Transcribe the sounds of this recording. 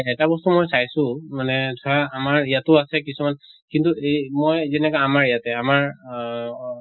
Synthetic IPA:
ɛtabɔstumojsajsʊ̃manɛdʱɔɹaːmaɹijatʊasɛkisumankintuejmojzɛnɛkaamaɹijatɛamaɹ

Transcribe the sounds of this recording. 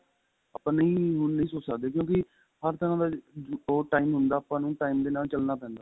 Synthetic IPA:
aːpãːnəĩːɦʊnnəĩːsoːt͡ʃsəkd̪eːkjõːkɪ | həɾt̪əãːd̪aːoːʈaːiːmɦʊnd̪aːəpãːnũːʈaːiːmd̪eːnaːlt͡ʃəlnaːpɛ̃ːnd̪aː

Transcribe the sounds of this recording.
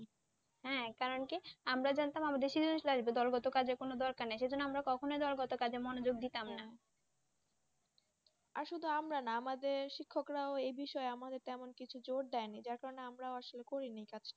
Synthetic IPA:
ɦɛ̃kaɾonkiamɾad͡ʑant̪amamad̪eɾʃid̪oniʃlaʒbed̪ɔlɡɔt̪okad͡ʑʱekonod̪ɔɾkaɾnajʃejd͡ʑonːoamɾakɔkʰonojd̪ɔlɡɔt̪okad͡ʑʱemɔnod͡ʑoɡ̚d̪it̪amna | aɾʃud̪ʱuamɾanaamad̪eɾʃikʰːokɾaoejbiʃɔeamad̪eɾt̪ɛmonkit͡ɕʰud͡ʑoɽ̚d̪ɛenid͡ʑaɾkaɾoneamɾaoaʃolekoɾinejkat͡ɕʰ

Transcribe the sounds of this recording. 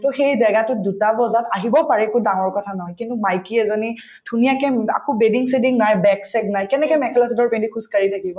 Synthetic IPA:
tɔxejzaɡatʊdutabɔzataɦibɔpaɹɛkudaŋɔɹkɔtʰanɔɦɔjkintumajkiɛzɔni | dʱunijakɛa̰kɔbediŋsediŋnajbɛksɛknajkɛnɛkɔjmɛkʰɛlasidɔɹpẽndikʰuskaɹitʰakibɔ

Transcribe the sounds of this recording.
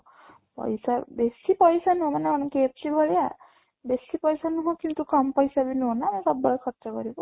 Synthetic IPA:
pɔ̰jsabesipɔjsanuɦomanɛɔñkep̚sibʱɔɭja | besipɔjsanuɦokint̪ukɔmpɔjsabʱinonamũsɔbːɔɭɔkʰɔtːst͡ʃɔkɔɾibɔ

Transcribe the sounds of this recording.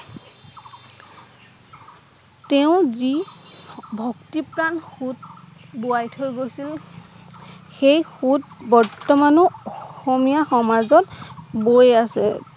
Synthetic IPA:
tɛʊ̃zi | bʱɔktipɹanxutbuajtʰojɡojsil | xejxutbɔɹtɔmanɔɔxɔmijaxɔmazɔtbojasɛ̰

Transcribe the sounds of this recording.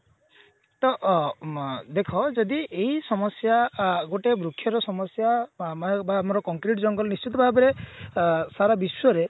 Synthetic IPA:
t̪ɔʔ | d̪ekʰɔd͡ʒɔd̪ieisɔmɔsjaɡoʈebɾukʰːjɔɾɔsɔmɔsjamabamɔɾɔkɔŋkɾiʈd͡ʒɔŋɡɔlnist͡ʃit̪̬ɔbʱabeɾe | saɾabiswɔɾe

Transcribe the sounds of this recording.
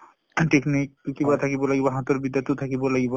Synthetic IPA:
ʈeknikkibat̪ʰakibolajbaɦat̪oɾbid̪ːat̪ːot̪ʰakibolajba

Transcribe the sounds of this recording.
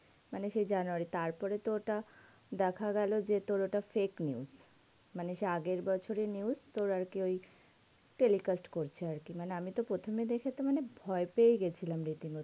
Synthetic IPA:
maneʃejd͡ʑanuaɾit̪aɾpɔɾet̪oʈa | d̪ɛkʰaɡɛlod͡ʑet̪oɾoʈafekniuz | maneʃeaɡeɾbɔt͡ɕʰoɾeniuzt̪oɾaɾkioj | ʈelikasʈkoɾt͡ɕʰeaɾkimaneamit̪opɾot̪ʰomed̪ekʰet̪omanebʱɔepejɡet͡ɕʰilamɾit̪iŋo

